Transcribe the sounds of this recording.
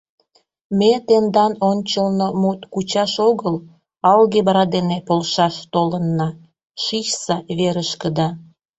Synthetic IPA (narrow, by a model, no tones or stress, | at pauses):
met̪end̪ɑnonʲt͡ɕəlnomut̪kut͡ɕɑʃoɣəl | ɑlɣeβɑɾɑd̪enepolʃɑʃt̪olənːɑ | ʃiʃsɑβeɾəʃkəd̪ɑ